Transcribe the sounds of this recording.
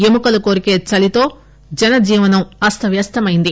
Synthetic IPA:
emukɐlukoːɾike̞ːt͡ʃɐlit̪o̞ː | d͡ʒɛnɐd͡ʒiːʋɐnɐmɐst̪ʰɐʋjɐst̪ʰɐmɐjind̪i

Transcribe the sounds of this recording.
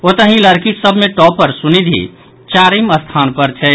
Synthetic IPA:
ot̪əɦĩləɾkiksəbʱmeʈɔːpːəɾsunid̪ʱḭ | t͡ʃaːɾiməst̪ʰaːnpəɾt͡ʃʰɛ

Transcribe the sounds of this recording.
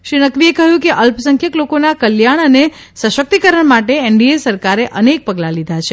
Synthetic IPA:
ʃɾinəkʋiekəɦjũkeʔəlpəsə̃ŋkʰjəklokonakəljaɳ̃əne | sə̃ʃək̚t̪ikəɾəɳmaʈeɛɳɖiesəɾkaɾeʔənek̚pəɡlalid̪ʱat͡ʃʰe

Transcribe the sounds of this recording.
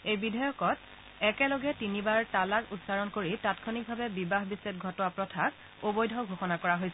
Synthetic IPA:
ejbidʱajɔkɔt | ɛkɛlɔɡɛtinibaɹtalaɹutsaɹɔnkoɹitatkʰonik̚bʱabɛbibaɦbiset̚ɡʱɔtɔwapɹɔtʰak | obojdʱɔwɡʱoxɔnakɔɹaɦojsɛ

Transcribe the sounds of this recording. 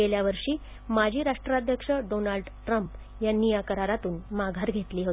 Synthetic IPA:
eljaʋəɾʂiː | mad͡ʑʱiːɾaʂʈɾad̪ʱjəkʂəɖonalɖʈɾəmp | janijakəɾaɾat̪uːnmaɡʱaɾɡʱet̪liːɦot̪i

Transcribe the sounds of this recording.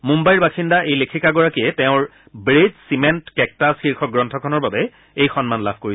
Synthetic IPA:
mumbajɹbaxindaʔejlekʰikaɡɔɹakiɛtɛʊ̃ɹ | bɹed͡ʒsimɛntkɛk̚tasxiɹxʰɔɡɹɔntʰɔkʰɔnɔɹbabɛ | ejxɔnmanla̰bʱkoɹi

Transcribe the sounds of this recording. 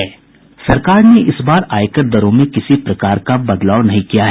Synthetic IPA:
ɛː | sɐɾkaːɾneʔɪsbaːɾaːɪkəɾd̪ɐɾõmẽkɪsipɾɐkaːɾkabɐd̪laːwnɐɦĩkijaɦ

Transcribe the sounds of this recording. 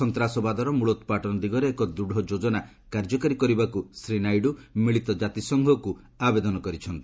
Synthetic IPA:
ɔnt̪ɾasɔbad̪ʱɔɾɔmuɭɔt̪ɔpaʈɔnɔd̪iɡɔɾeːkɔd̪ɾuɽ̤ʱɔd͡ʒod͡ʒɔna | kaɾd͡ʒɔkaɾikɔɾibakusɾinajɖumiɭit̪ɔd͡ʒat̪isɔŋɡʱɔku | abed̪ɔnɔkɔɾit͡ʃʰɔnt̪i

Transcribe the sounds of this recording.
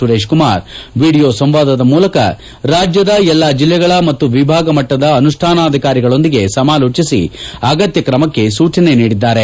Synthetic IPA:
uɾeːʂkumaːɾʋiːɽijoːsɐmʋaːd̪ɐd̪ɐmuːlɐkɐ̰ | ɾaːd͡ʒjɐd̪ɐɛlːaːd͡ʒilːɛɡɐɭɐmɐt̪ːuʋibʱaːɡɐmɐʈːɐd̪ɐɐnuʂʈʰaːnaːɐd̪ʱikaːɾiɡɐɭo̞nd̪iɡe̞sɐmaːloːt͡ʃisḭɐɡɐt̪jɐkɾɐmɐkːe̞suːt͡ʃɐne̞niːɽid̪ːaːɾe̞

